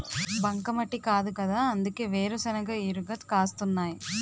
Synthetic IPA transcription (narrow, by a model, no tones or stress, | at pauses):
bɐŋkɐmɐʈːikaːd̪ukɐd̪aːɐnd̪uke̞ːʋeːɾusɐnɐɡaːiɾuɡɐt̪kaːst̪unːaːji